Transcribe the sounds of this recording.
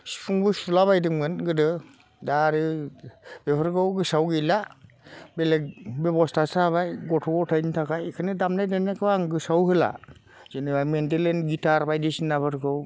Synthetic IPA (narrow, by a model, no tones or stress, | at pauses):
si̥pʰuŋbɯsulaβajdɯŋɡɯnɡɯdɯ | daːɾɯ | b̥epʰɯɾɡɯwɡɯsawɡɯjla | belek̚bebɔstʰasaβajɡɔtʰɔɡɔtʰajntʰakaekʰɯnɯdamnajdanakʰɯbaŋɡɯsawɦɯla̰ | z̥ɯnɯbajmendelenɡitaɾbajdesinːabɯɾɡɯw